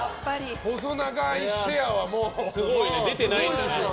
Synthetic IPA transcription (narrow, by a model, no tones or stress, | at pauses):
hozonaɡaiɕejaβamoːsɨɡoined̪e̞t̪e̞naĩnd̪esɨjo